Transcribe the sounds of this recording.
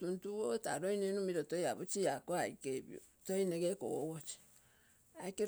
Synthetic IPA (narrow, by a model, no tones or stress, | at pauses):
tuntuwotaɾoinenumiɾotojaβut͡ʃijakoaikeβj̰o̰ | toineɣeko̰ɣot͡ʃi̥ | ake